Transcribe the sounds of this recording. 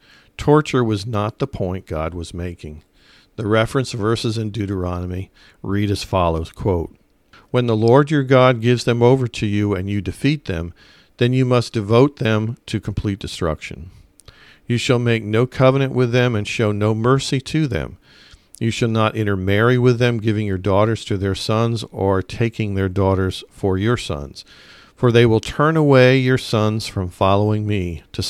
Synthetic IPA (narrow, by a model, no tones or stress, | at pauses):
tʰɔɹt͡ʃə˞wʌznət̪̚ðəpʰɔ̃ɪ̃nɡ̥ɑd̚wʌzmeɪkɪ̃ŋ | ðɨɹɛfɹɨ̃nsvɜ˞sɨzɨ̃ndʉɾə˞ɑnəmi | ɹiɾɨz̥fɑlˠoʊz̥kʰw̥oʊt̚ | wə̃nðəlɔɹdə˞ɡɑd̚ɡɪvzðɨ̃moʊvə˞ɾɨjʉɨ̃njɨdɨfit̪̚ðɨ̰̃m | ðɨ̃njɨmʌsd̥ɨvoʊt̪̚ðɨ̃mtʰɨkʰm̩pʰl̥it̚d̥ɨstɹ̥ʌ̰kʃɨ̰̃n | jɨʃəlˠmeɪk̚noʊkʰʌvənɨ̃nʔwʔɪðɨ̃mɨ̃nʃoʊnoʊmɜ˞siɾʰɨðɨ̰̃m | jɨʃɨlˠnəɾʔɪ̃ɾ̃ə˞mɛɹiwɪðɨ̃mɡɪvɪ̃ŋjə˞dɔɾə˞z̥tʰɨðə˞sʌ̃nzə˞tʰeɪkɪ̃ŋðə˞dɔɾə˞z̥fə˞jə˞sʌ̰̃nz̥ | fə˞ðeɪwəlˠtʰɜ̃˞nəweɪjə˞sʌ̃nz̥fɹʌ̃ɱfɑlˠoʊɪ̃ŋmiɾʰɨ